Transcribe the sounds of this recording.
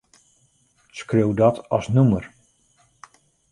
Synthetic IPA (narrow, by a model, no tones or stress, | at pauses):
skrewdɔtʰɔ̰snumər